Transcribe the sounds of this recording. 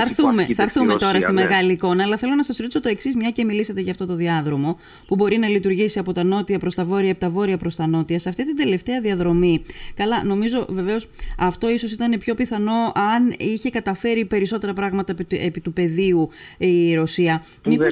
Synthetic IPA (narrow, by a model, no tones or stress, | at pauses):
ɐɾθumeθɐɾθume̞t̪o̞ɾɐst̪ime̞ɣɐliːko̞nɐːlɐθe̞lo̞nɐsɐsoɾot̪isot̪o̞e̞ksizmɲɐce̞miliset̪eʝɐːft̪o̞t̪o̞ðiɐðɾo̞mo̞ | pubo̞ɾinɐlit̪uɾʝisiɐpo̞t̪ɐno̞t̪iɐpɾo̞st̪ɐvo̞ɾiɐepit̪ɐvo̞ɾiɐpɾo̞st̪ɐno̞t̪iɐsɐft̪it̪ind̪e̞le̞ft̪e̞ɐðiɐðɾo̞mikɐlɐno̞mizo̞ve̞ve̞o̞sɐft̪o̞iso̞sit̪ɐne̞pço̞piθɐno̞ɐniçe̞kɐt̪ɐfe̞ɾipe̞ɾiso̞t̪e̞ɾɐpɾɐɣmɐt̪ɐepit̪upe̞ðiu | iɾo̞siɐ | mi